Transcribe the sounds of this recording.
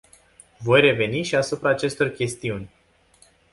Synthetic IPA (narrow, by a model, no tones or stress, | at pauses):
vo̞jre̞ve̞niʃiasupɾaːt͡ʃe̞st̪o̞rkʲe̞st̪iunʲ